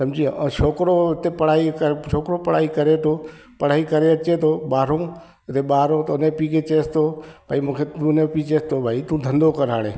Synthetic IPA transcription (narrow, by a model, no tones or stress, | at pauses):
sɐ̃md͡ʒiːã̰t͡ʃʰoːkɾot̪epəɽ̤aːikət͡ʃʰoːkɾopəɽ̤aːikɐɾet̪ʰoː | pəɽ̤aːikəɾeət͡ʃet̪ʰoːɓaːɾõː | t̪eɓaːɾõːt̪ʊnẽpiket͡ʃeːst̪oːbʱaːimũːkʰet̪ũnẽpit͡ʃeːst̪obʱaːit̪ũːd̪ʱə̃nd̪okəɾaːɽeː